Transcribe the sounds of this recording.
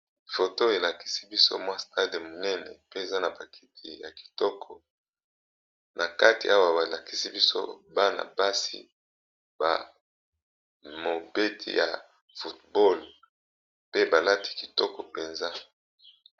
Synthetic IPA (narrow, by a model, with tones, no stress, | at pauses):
fo˨to˦e˨la˨ki̥˦si˦bi˦so̰˦mwa˦sta˦de˨mo˨nɛ˦nɛ̰˨pe˦e˨za˦na˨ba˨kʰi̥˦tʰḭ˨ja̰˨ki̥˨tɔ˦kʰɔ˨ | nʔa˨ka˦ti˨a˦wa˦ba˨la˨ki˦si˦bi˦so̰˦ba˦na̰˨ba˦sḭ˦ | b̥a̰˨ | mo˨be˦tʰḭ˨ja̰˨ | fu˨tbɔ˦l | pe˦ba˨la˦ti̥˨ki̥˨tɔ˦kɔ˨pe˨nza˦